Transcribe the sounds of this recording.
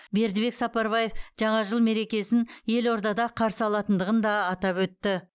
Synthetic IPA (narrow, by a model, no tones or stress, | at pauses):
be̞ɾd̪ɪβe̞ksɑpɑɾβaje̞fʒ̥ɑɴɑʒəlˠme̞ɾe̞kʲe̞sɪnje̞lo̞ɾd̪ɑd̪ɑqʰɑɾsəɑlˠɑt̪ənd̪əʁənd̪ɑːt̪ɑpwɵt̪ːɪ